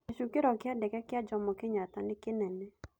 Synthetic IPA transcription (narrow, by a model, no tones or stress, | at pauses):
iʃukɪɾɔkɪadɛkɛkɪad͡ʒɔmɔkɪɲat̪anɪkɪnɛnɛ